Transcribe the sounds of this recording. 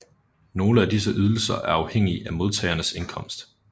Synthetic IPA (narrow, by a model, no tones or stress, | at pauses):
no̝ːləæd̥is̬əʔyð̞ˠl̩sɐ̰ʔæɐɑ̈ʊheŋ̰iʔæmo̝ð̞ˠt͡sʰɛ̰ːɪɐnəse̝nkʰɒ̽m̰sd̥